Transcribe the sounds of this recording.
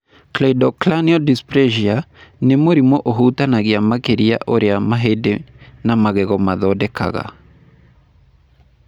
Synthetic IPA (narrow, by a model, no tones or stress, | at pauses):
klɛdɔklaniɔdispɾeʒianemoɾimɔʔoɦutanaɣeamakeɾia̰ʔoɾeamaɦedenamaɣɛɣɔmaðɔdɛka̰ɣa̰